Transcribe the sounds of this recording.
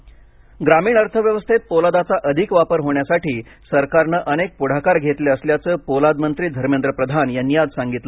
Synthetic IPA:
ɡɾamiːɳ̃əɾt̪ʰəʋjəʋəst̪ʰet̪̚polad̪at͡saʔəd̪ʱikʋapəɾɦoɳjasaʈiː | səɾkaɾnəʔənek̚puɽ̤akaɾɡʱet̪leəsljat͡səːpolad̪mənt̪ɾiːd̪ʱəɾmend̪ɾəpɾəd̪ʱanjanːijad͡zsaŋɡit̪lə

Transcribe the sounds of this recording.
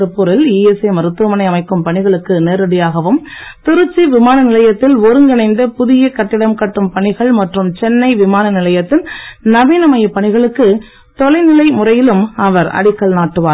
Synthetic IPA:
ɯpːʊɾɪliːjɛsemɐɾɯt̪ːɯmɐnɐɪɐmɐɪkːɯmpɐɳɪɣɐɭɯkːɯneːɾɐɽɪjaːɣɐʋɯmt̪ɪɾɯt͡ʃːiʋɪmaːnɐnɪlɐjɐt̪ːɪlɔɾɯŋɡɐnɐɪnd̪ɐpʊðɪjɐkɐʈːɪɽɐmkɐʈːɯmpɐɳɪɣɐɭmɐʈrɯmt͡ʃɛnːɐɪʋɪmaːnɐnɪlɐjɐt̪ːɪnnɐʋiːnɐmɐjɐpːɐɳɪɣɐɭɯkːɯ | t̪ɔlɐɪnɪlɐɪmʊrɐjɪlɯmɐʋɐɾɐ̰ɽɪkːɐɭnaːʈːɯʋaːɾ

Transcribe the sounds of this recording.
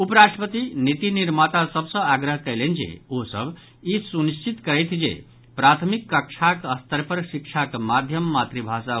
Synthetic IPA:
upəɾasʈɾəpət̪init̪iniɾmat̪asəbsə̃aɡɾəɦkəjlend͡ʒḛosə̰b | isunist͡ʃit̪kəɾet̪ʰd͡ʒḛ | pɾat̪ʰmikːəkt͡ʃʰakəst̪əɾpəɾsik̚t͡ʃʰakmad̪ʱjəmːat̪ɾibʱasa

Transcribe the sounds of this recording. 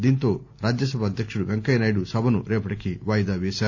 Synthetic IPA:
d̪iːnt̪o̞ː | ɾaːd͡ʒjɐs̬ɐbʱɐd̪ʱjɐkʂuɽuʋeŋkɐjnaːjɽusɐbʱɐnṵɾeːpɐʈikiʋaːjd̪aːʋeːʃaːɾu

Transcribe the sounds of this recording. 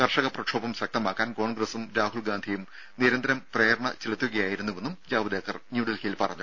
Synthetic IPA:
kɐrʂɐɣɐprɐkʂʰo̞ːbɐmɕɐk̚t̪ɐmaːkːaːnko̞ːɳɡrɐsumɾaːɦuɭɡaːnd̪ʱijum | niɾɐnd̪ɾɐmpreːɾɐɳɐt͡ɕiɭɐt̪ːuɣɐjaːjiɾunːuʋe̞nːumd͡ʑaːʋɐd̪eːkːɐrnjuːɖilhijilpɐrɐ̰ɲːu

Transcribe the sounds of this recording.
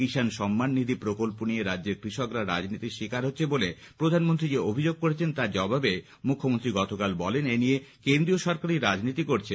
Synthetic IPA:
kiʃanʃɔmːanːid̪ʱipɾokolponijeɾadːeɾkɾiʃokɾaɾa̰d͡ʑnit̪iʃikaɾɦotːɕʰebole | pɾod̪ʱanmont̪ɾid͡ʑeobʱid͡ʑoɡ̚koɾet͡ɕʰent̪ad͡ʑɔbʱabe | mukʰːomont̪ɾiɡɔt̪okalbɔleneniekend̪ɾioʃɔɾkaɾiɾad͡ʑnit̪ikoɾt͡ɕʰe

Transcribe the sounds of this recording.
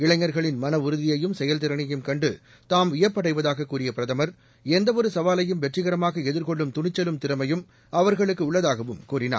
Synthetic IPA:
ɪɭɐŋːɐɾɣɐɭɪnmɐnɐʊɾɯðɪjɐjɯmsɛjɐlt̪̬ɪɾɐɳɪjɯmkɐɳɖɯ | t̪aːmʋɪjɐpːɐɽɐɪʋɐðaːɣɐkːuːrɪjɐpɪɾɐðɐmɐɾ | ɛnd̪ɐʋɔɾɯsɐʋaːlɐjɯmʋɛʈrɪɣɐɾɐmaːɣɐɛðɯɾkɔɭːɯmt̪ʊɳɪt͡ʃːɐlɯmt̪ɪɾɐmɐjɯm | ɐʋɐɾɣɐɭɯkːɯʊɭːɐðaːɣɐʋɯmkuːrɪna̰ː

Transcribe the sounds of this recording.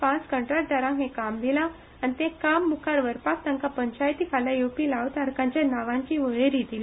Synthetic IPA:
pãt͡skəɳʈɾaʈ̚ʈəɾãɦẽkamd̪ila | anit̪ẽkamːukʰaɾʋəɾpak̚t̪ə̃ŋkapəɲt͡ɕajt̪ikʰalajopilaʋt̪aɾkãɲt͡ɕjanaʋãɲt͡ɕiʋəɭeɾid̪ili

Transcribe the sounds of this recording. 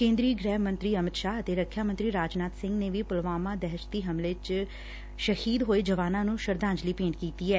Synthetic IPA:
kẽːnd̪ɾiːəɡɾɛːɦmə̃nt̪ɾiːəmɪt̪ʃaːɦət̪eːɾəkʰːjaːmə̃nt̪ɾiːɾaːd͡ʒnaːt̪sɪ̃ŋɡneːʋiːpʊlʋaːmãːd̪ɛɦʃt̪iːɦəmlet͡ʃ | ʃəhiːd̪ɦoːeːd͡ʒəʋaːnãːnũːʃəɾd̪ãːnd͡ʒliːpẽːnkiːt̪iːɛː

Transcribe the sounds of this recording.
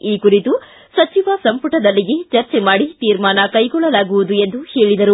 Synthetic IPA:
iːkuɾit̪u | sɐt͡ʃiʋɐsɐmpuʈɐd̪ɐlːiɡet͡ʃɐɾt͡ʃemaːɽit̪iːɾmaːnɐkɐjɡɔɭːɐlaːɡuʋud̪ue̞nd̪uheːɭid̪ɐɾu

